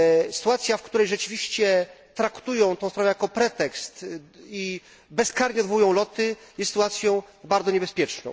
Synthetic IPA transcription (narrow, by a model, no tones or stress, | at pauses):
sɨ̥t̪uat̪sʲjafkt̪uɾɛjʐɛt͡ʂɘvʲiɕt͡ɕɛt̪ɾakt̪ujɔ̃w̃t̪ɔ̃w̃spɾavɛjakɔpɾɛt̪ɛkst̪i | bɛskaɾɲɛd̪vujɔ̃w̃lɔt̪ɘjɛst̪ːɨt̪uwat̪sʲjɔ̃w̃baɾd̪zɔɲɛbɛspʲjɛt͡ʂnɔ̃